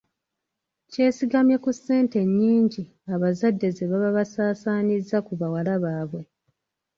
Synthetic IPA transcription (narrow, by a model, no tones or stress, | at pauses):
ce̞ːsiɡamjekusːe̞ːnte̞ɲːiːɲɟi | aβazadːe̞ze̞βaβaβasaːsaːnizːakuβawalaβaːβwe̞